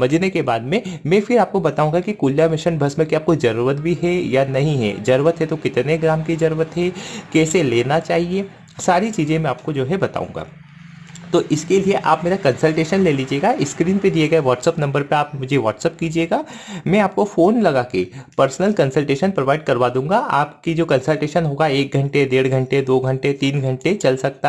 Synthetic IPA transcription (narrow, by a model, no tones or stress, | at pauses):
mɐd͡ʒnekebaːd̪mẽmɛ̃ːfɪɾaːp̚kobɐt̪aːũŋɡakikuːljamɪʃənbʱɐsmẽkiaːp̚kod͡ʒɐɾuɾət̪̚bʱiɦɛjanɐɦĩɦɛ̰d͡ʒɐɾʋət̪ɦɛt̪okɪt̪neɡɾaːmkid͡ʒɐɾwət̪ɦɛkɛːseleːnat͡ʃaːɦie | saːɾit͡ʃiːzẽmɛ̃aːp̚kod͡ʒoːɦɛbɐt̪a̰ːṵ̃ŋɡa̰ː | t̪oːʔɪskelieʔa̰ːpmeːɾakɐ̃nsəlʈeːʃənleːliːd͡ʒieːɡaɪskɾiːnpẽd̪ieɡɐeʋɔːʈsəpnɐ̃mbəɾpeaːpmʊd͡ʒʱeʋɔːʈsəp̚kiːd͡ʒieːɡaːmɛ̃aːpkofoːnlɐɡaːkḛpɐɾsnəlkɐ̃nsəlʈeːʃənpɾoʋaːɪɖ̚kɐɾʋad̪ũːŋɡaʔaːpkid͡ʒoːkɐ̃nsəlʈeːʃənɦoːɡaeːk̚ɡʱɐ̃ɳʈed̪eːɽɡʱɐ̃ɳʈed̪oːɡʱɐ̃ɳʈet̪iːnɡʱɐ̃ɳʈet͡ʃɐlsɐk̚t̪a